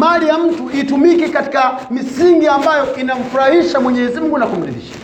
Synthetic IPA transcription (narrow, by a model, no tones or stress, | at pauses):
malijam̩tuitumikikati̥kamisiŋɡiambajɔʔinam̩fuɾahiʃamwɛɲɛzim̩ɡunakum̩ɾiɗḭʃa